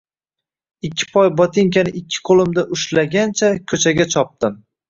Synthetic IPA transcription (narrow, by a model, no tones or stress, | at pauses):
ɪkʲʰːɪ̥pʰɒjbɒt̪ʰɪŋkʲanɪɪkʲʰːɪ̥qʰolˠɪmd̪aʔʊʃlaɡʲant͡ʃʰakʲʰɵt͡ʃʰaɡʲat͡ʃʰɒp̚t̪ɪm